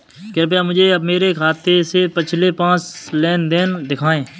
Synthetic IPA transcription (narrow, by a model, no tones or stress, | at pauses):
kəɾp̬ejamʊd͡ʒʱeɐbmeːɾekʰaːt̪esepɪt͡ʃʰlepãːt͡ʃleːnd̪end̪ɪkʰaːẽː